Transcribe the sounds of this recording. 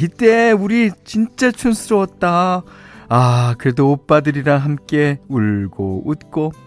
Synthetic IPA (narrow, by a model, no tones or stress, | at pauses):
it͈e̞uɾit͡ɕint͡ɕ͈at͡ɕʰunsʰɯɾoʌt̚t͈a | akɯɾe̞doːp͈adɯɾiɾaɦamk͈e̞uɭɡout̚k͈o